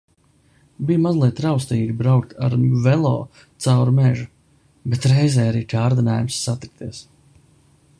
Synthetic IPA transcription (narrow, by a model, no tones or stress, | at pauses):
bijmazlˠiɛt̪ːɾawst̪iːɡʲibɾawk̚t̪ʰa̰ɾvɛlˠɔ̰ː | t̪sawɾumɛʒu | bet̪ɾɛjzɛːjaɾiːkaːɾd̪inaːjumsːat̪ik̚t̪iɛs